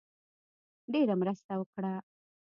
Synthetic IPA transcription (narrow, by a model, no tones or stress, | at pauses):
ɖeɾamɾast̪awəkɽa